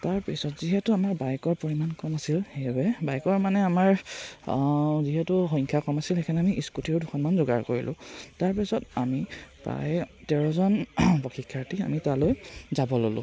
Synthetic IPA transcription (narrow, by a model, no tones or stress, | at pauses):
taɹpisɔtziɦɛtʊamaɹbajkɔɹpoɹimankɔmasilxejbɛbajkɔɹmanɛamaɹ | ziɦɛtʊxɔŋkʰakɔmasilxekʰanɛamiʔiskutiɹʊduxʰɔnmanzoɡa̰ɹko̰ɹḭlʔʊ̰̃taɹpisɔtamipɹa̰jtɛɹɔzɔnpɔxʰikʰːaɹtia̰mitalojzabɔlo̰lʊ̰̃